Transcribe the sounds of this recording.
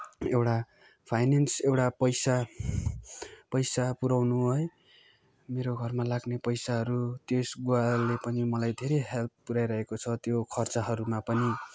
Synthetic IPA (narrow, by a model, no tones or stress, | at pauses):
ewʈa | pʰajnensewʈapʌjsa | pʌjsapuɾawnuɦʌj | meɾoɡʱʌrmalaɡnepʌjsaɦʌɾut̪esɡualepʌnimʌlajd̪ʱeɾʌjɦelp̪̚puɾajɾʌɦekot͡sʰʌt̪jokʰʌrt͡sʌɦʌɾumapʌni